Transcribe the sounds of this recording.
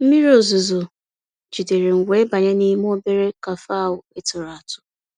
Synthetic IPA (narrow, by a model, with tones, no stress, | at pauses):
m̩˦mi˦ɾe˦o˨zo˨zo˨ | d͡ʒi˨de˨ɾe˨ŋ̩˨ɡʷe˨˦ba˨ɲe˦ni˦m˦o˦be˦ɾe˦ka˨fa˦˨wʊ˨e˦tʊ˨ɾa˨a˨tʊ̥˦